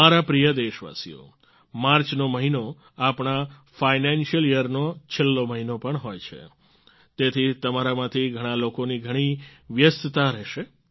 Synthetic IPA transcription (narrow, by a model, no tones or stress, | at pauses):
aɾapɾijəd̪eʃʋa̰sḭjo̰ | maɾt͡ʃnoməɦino | apɳ̃a | fajnenʃijəlijəɾnot͡ʃʰelːoməɦinopəɳɦojt͡ʃʰḛ | t̪et̪ʰit̪əmaɾamãt̪ʰiɡʱəɽ̃ãlokoniɡʱəɽ̃iʋjəst̪t̪aɾɛʃe